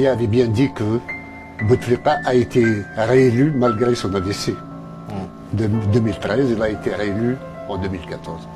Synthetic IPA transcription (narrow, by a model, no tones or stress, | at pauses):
jaːvɛbjɛ̃d̪ikə | but̪fliqaʔaet̪ʰeʁeelymalɡʁesɔ̃nad̪ese | d̪d̪əmilt̪ʁɛzilaet̪eʁeely | ɑ̃d̪əmilkat̪ɔʁz